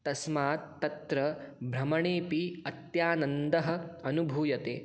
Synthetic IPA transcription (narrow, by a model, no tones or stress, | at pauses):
t̪ɐsmaːt̪ːɐt̪ɾɐbʱɾɐmɐɳeːpiɐt̪jaːnɐnd̪ɐɦɐ̆ɐnubʱuːjɐt̪ḛː